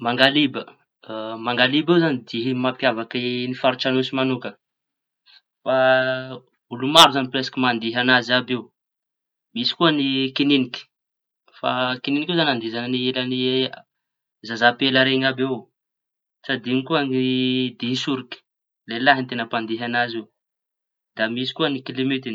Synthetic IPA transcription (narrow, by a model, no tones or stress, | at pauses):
maŋɡalibə | maŋɡalibewzanid̪iɦimapjavakinifaɾuʈ͡ʂanusimanukə | fa | ulumaɾuzanipɾesḁkimand̪iɦanazabew | misi̥kuənikininikʲi̥ | fa̰kininikewzanand̪izaninielani | zazapeləɾeŋabew | t͡sad̪iŋikuanid̪isuɾiki̥ | lelaɦint̪enəpand̪iɦanazew | d̪̥amisi̥kuənikilimit̪in